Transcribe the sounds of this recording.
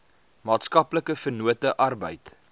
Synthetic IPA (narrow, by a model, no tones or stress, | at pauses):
mɑːtskɐpləkəfərnuətəʔɐrbə̰jt